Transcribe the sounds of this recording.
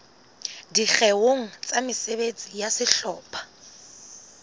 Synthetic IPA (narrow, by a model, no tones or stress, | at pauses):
dik͡xɛwoŋ̩t͡sʼamɪsebet͡sʼijasɪɬɔːpʰʼḁ